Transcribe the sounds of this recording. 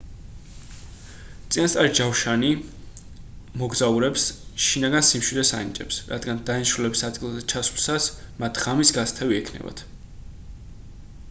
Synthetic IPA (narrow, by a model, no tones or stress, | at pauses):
t̪sʼinast̪ʼaɾid͡ʒawʃani | mɔɡzauɾɛpsʃinaɡansimʃwid̪ɛsa̰nḭt͡ʃʼɛpsɾa̰d̪ɡand̪ainʃɾulɛbisad̪ɡilˠzɛt͡ʃʰasu̥lˠsasmat̪ʰʁamisɡast̪ʰɛviɛkʰnɛ̰ba̰t̪ʰ